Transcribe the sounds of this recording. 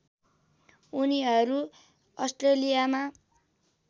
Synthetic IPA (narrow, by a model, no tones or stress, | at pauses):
uniɦʌɾu | ʌsʈrelijama